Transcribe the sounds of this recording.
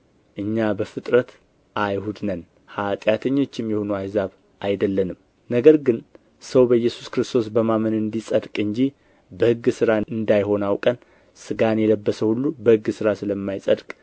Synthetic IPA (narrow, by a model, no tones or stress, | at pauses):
ʔɨɲːabəfɨt̪ʼɾət̪ | ʔajhud̪nən | hat̪ʼjat̪ʰəɲːo̞t͡ʃːɪmjɛho̞nəajzaβ | ʔajd̪əlːənɨm | nəɡəɾɡɨn | səwbəjɛsu̥skɾɨst̪ʰo̞sbəmamənɨnd̪isʼəd̪kʼɨɲd͡ʒi | bəhɨɡːɨsɨɾaɨnd̪ajho̞nawkʼən | sɨɡanjɛləbːəsəhulːubəhɨɡːɨsɨɾasɨləmːajsʼəd̪kʼ